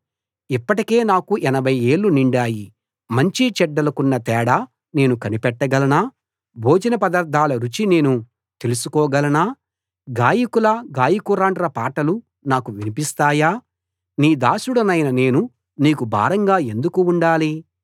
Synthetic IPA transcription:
ipːɐʈike̞ːnaːkuʔɛnɐbʱɐje̞ːɭːuniɳɖaːji | mɐɲt͡ʃit͡ʃɛɖːɐlɐkunːɐt̪ɛːɽa | ne̞ːnukɐnipɛʈːɐɡɐlɐnaː | bʱoːd͡ʒɐnɐpɐd̪ɐɾd̪ʱaːlɐɾut͡ʃine̞ːnu | t̪e̞lusukɔːɡɐlɐnaː | ɡaːjikulɐɡaːjikuɾaːɳɖɐɾɐpaːʈɐlu | naːkuʋinipist̪aːjaː | niːd̪aːsuɽɐnɐjnɐne̞ːnu | niːkubʱa̰ːɾɐŋɡaːe̞nd̪ukuːɳɖaːli

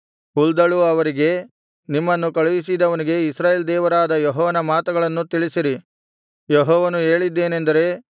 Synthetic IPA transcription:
uld̪ɐɭuɐʋɐɾiɡe̞ | nimːɐnːukɐɭuʋis̬id̪ɐʋɐniɡe̞isɾaːjeːld̪ɛːʋɐɾaːd̪ɐjɔɦɔːʋɐnɐmaːt̪uɡɐɭɐnːut̪iɭisiɾi | jeɦɔːʋɐnue̞ːɭid̪ːe̞ːne̞nd̪ɐɾe̞ː

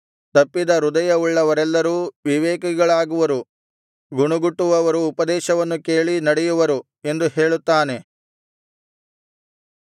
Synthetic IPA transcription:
t̪ɐpːid̪ɐɾud̪ɐjɐuɭːɐʋɐɾɛlːɐɾuːʋiʋɛːkɐɡɐɭaːɡuʋɐɾu | ɡuɳuɡuʈːuʋɐʋɐɾuːpɐd̪ɛːʃɐʋɐnːuke̞ːɭinɐɽɛjuʋɐɾu | e̞nd̪uheːɭut̪ːaːne̞

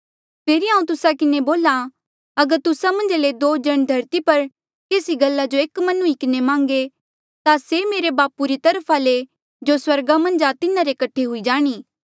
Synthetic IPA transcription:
pʰeːɾiɦãːũt̪ʊsakɪneboːla | ɐɡəɾt̪ʊsamɐ̃nd͡ʒled̪oːd͡ʒɐɽ̃d̪ʱɐɾt̪ipɐɾ | keːsiɡɐlːad͡ʒoeːkmɐnũikɪnemãːŋɡe | t̪asemeːɾebaːpuɾit̪ɐɾpʰale | d͡ʒoswɐɾɡamɐ̃nd͡ʒat̪ɪnãɾekɐʈʰːeɦʊid͡ʒaːɽ̃iː

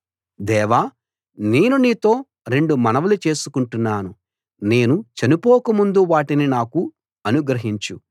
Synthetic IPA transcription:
d̪ɛːʋaː | ne̞ːnuniːt̪o̞ː | ɾe̞ɳɖumɐnɐʋulut͡ʃe̞ːsukuɳʈunːaːnu | ne̞ːnut͡ʃɐnipoːkɐmund̪uʋaːʈininaːku | ɐnuɡɾɐɦiɲt͡ʃu

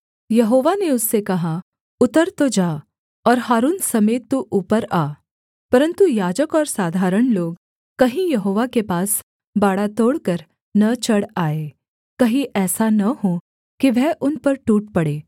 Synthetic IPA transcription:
jɐɦoːʋaneʊsːekɐɦa | ʊt̪əɾt̪od͡ʒaː | ɔːɾɦaːɾuːnsɐmeːt̪ːuʔuːpəɾaː | pɐɾə̃nt̪ujaːd͡ʒəkɔːɾsaːd̪ʱaːɾəɽ̃loːɡ | kɐɦĩjɐɦoːʋakepaːs | baːɽat̪oːɽkɐɾ | nɐt͡ʃɐɽaːeː | kɐɦĩʔɛːsanɐɦõ | kiʋɛɦʔʊnpɐɾʈuːʈ̚pɐɽeː

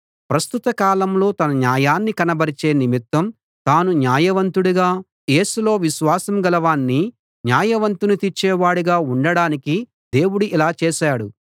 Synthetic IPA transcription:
pɾɐst̪ut̪ɐkaːlɐmlo̞ːt̪ɐnɐnjaːjaːnːikɐnɐbɐɾit͡ʃe̞ːnimit̪wɐm | t̪aːnunjaːjɐʋɐnt̪uɽuɡaː | je̞ːsulo̞ːʋiʃʋaːsɐmɡɐlɐʋaːnːi | njaːjɐʋɐnt̪unut̪it͡ʃːɛːʋaːɽuɡaːuɳɖɐɽaːniki | d̪e̞ːwuɽuʔilaːt͡ʃeːʃaːɽu

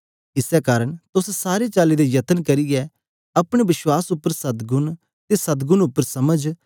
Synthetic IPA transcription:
ɪsɛkaːɾəɽ̃t̪ʊssaːɾet͡ʃaːlid̪ejɐt̪ənkɐɾɪjɛ | ɐpɽ̃eʋɪʃwaːsʊpːəɾsɐd̪ɡʊn | t̪esɐd̪ɡʊnʊpːəɾsɐməd͡ʒ

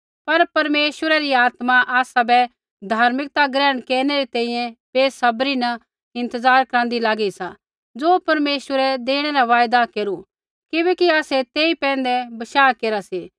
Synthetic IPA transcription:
pɐɾpɐɾmeːʃʋəɾɛɾiaːt̪maʔaːsabɛ | d̪ʱaːɾmɪk̚t̪aɡɾɛːəɽ̃kɛːɾñɛɾit̪ɛ̃ːĩjɛ̃peːsɐbɾinɐ | ɪ̃nt̪əzaːɾkɾãːn̆d̪ilaːɡisa | d͡zoːpɐɾmeːʃwəɾɛd̪eːɽ̃ɛɾaʋaːjd̪akeːɾu | kɪbɛːkiaːsɛt̪eːipɛ̃ːnd̪ɛbɐʃaːkeːɾaseː

